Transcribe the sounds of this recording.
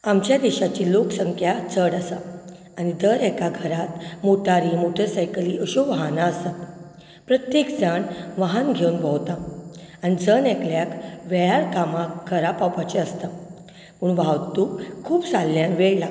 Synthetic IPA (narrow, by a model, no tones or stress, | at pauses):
amt͡ɕjad̪iɕat͡ɕiːloksəŋkʰjat͡səɽasa | añid̪əɾɛkaɡʱəɾat̪moʈaɾimoʈʰesajkliəɕuʋaɦanaəsa | pɾət̪jekd͡zaɳʋaɦanɡʱeunbəwt̪a | anid͡zənɛkljakʋɛjaɾkamakkʰːəɾapawpat͡ɕeəst̪a | puːɳʋawt̪uːkkʰːuːpsalːjãnʋeɭla